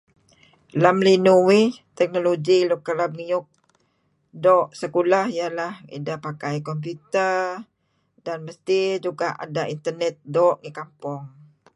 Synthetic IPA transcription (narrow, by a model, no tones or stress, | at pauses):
lamlinuwit̪ɛk̚noloɡilukəlamŋiʊk̚ | dɔʔsəkulahijalahḭdapakajkɔmp̬ut̪ər | danməst̪id͡ʒuɡaʔa̰daint̪ərnɛt̪̚dɔʔŋikampɔŋ